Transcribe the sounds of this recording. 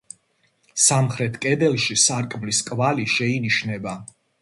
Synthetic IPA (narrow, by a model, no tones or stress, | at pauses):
samχɾɛt̪ʰkʼɛd̪ɛlˠʃisaɾkʼmliskʼvaliʃɛiniʃnɛba